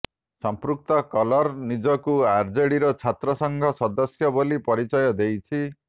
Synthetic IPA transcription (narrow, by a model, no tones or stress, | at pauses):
sɔmpɾuk̚t̪ɔkɔlɔɾnid͡ʒɔkuaɾd͡ʒeɽiɾɔt͡ʃʰat̪ɾɔsɔŋɡʱɔsɔd̪ɔsjɔbolipɔɾit͡ʃɔjɔd̪ejt͡ʃʰi